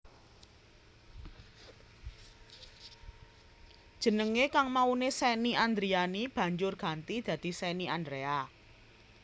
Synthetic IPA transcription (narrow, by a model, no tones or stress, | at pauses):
d̥ʒ̥ə̤nəŋekaŋmaunesɛniʔand̪ɾianib̥ä̤ɲd͡ʒʊrɡ̥ä̤nt̪id̪̥ä̤d̪̥i̤sɛniʔand̪ɾea